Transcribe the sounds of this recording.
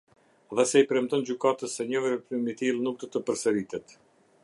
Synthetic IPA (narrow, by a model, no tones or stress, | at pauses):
ðɛsɛipɾɛmt̪ɔnd͡ʑykat̪əsɛɲəvəɾəpɾimit̪ilˠnuk̚d̪ɔt̪əpəɾsəɾit̪ɛt̪